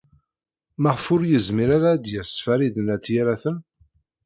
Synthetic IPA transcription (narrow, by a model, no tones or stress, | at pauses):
məʁfʊɾjəzmiɾaɾaːd̪jæsfæɾiðənæt͡sːjaɾæθən